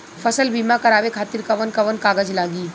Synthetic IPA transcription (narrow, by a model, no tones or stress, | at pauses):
pʰəsəlbiːmakɐɾaːʋekʰaːt̪iɾkɐʋənkɐʋənkaːɡəd͡ʒlaːɡiː